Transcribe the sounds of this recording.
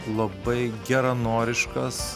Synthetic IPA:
lˠɐbɐɪɡʲæɾɐnoːɾʲɪʃkɐs

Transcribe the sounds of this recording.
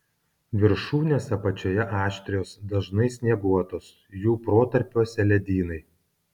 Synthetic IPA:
ʋʲɪɾʃuːnʲeːsʲɛpɐt͡ʃʲoːjɛʔɑːʃʲt̪ʲɾʲɪjoːsd̪ɐʒnɐɪsʲnʲiɛɡuɔt̪oːs | juːpɾoːt̪ɐɾʲpʲuɔsʲɛlʲɛd̪ʲiːnɐɪ

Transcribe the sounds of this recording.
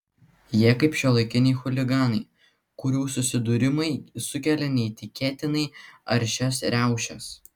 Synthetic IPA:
jiɛkɐɪpʃʲulˠɐɪkʲɪnʲɪɪxʊlʲɪɡɑːnɐɪ | kʊɾʲuːsʊsʲɪd̪ʊɾʲɪmɐɪsʊkʲɛlʲɛnʲɛɪt̪ʲɪkʲeːt̪ʲɪnɐɪɐɾʲʃʲɛsɾʲæˑʊʃʲɛs

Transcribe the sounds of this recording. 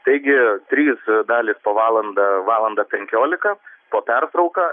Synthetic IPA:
t̪ɐɪɡʲɪt̪ʲɾʲiːsd̪ɑːlʲiːspoːʋɑːlˠɐnd̪ɐʋɑːlˠɐnd̪ɑːpʲɛŋʲkʲoːlʲɪkɐpoːpʲɛrt̪ɾɐʊkɑː

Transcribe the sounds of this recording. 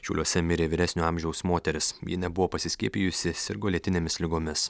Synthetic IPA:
ʃʲɛʊlʲuɔsʲɛmʲɪɾʲeːʋʲɪɾʲæsʲnʲuːɑˑmʲʒʲɛʊsmoːt̪ʲɛɾʲɪsjḭnʲɛbʊʋoːpɐsʲɪsʲkʲiɛpʲiːjʊsʲɪsɪɾɡoːlʲiet̪ʲɪnʲemʲɪslʲɪɡoːmʲɪs

